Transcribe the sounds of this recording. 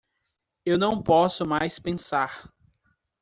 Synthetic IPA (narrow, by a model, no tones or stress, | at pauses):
ewnɐ̃w̃pɔsʊmajspẽsaɾ